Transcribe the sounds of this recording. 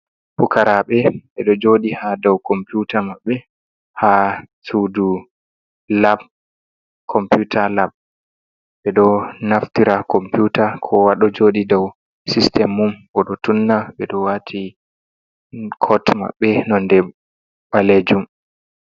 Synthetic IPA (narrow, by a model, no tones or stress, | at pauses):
pukaɾaɓɛɓɛɗɔd͡ʒoːɗihadɔwkɔmpjutamaɓːɛ | ha | sudu | lab̚ | kʰɔmpjutʰalab̚ | ɓɛɗɔnaftiɾakɔmpjutakʰɔwaɗɔd͡ʒoɗidɔw | sistɛmːumʔɔɗɔtunːaɓɛɗɔwatʰi | kʰɔtma̰ɓːɛnɔndɛ | ɓaled͡ʒum